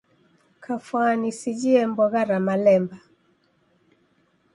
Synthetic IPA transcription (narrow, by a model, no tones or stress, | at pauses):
kʰafwanisid͡ʒiɛmbɔɣaɾamalɛmba